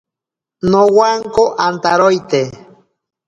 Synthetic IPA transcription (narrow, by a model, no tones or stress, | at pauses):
nowaŋkoʔant̪aɾojt̪e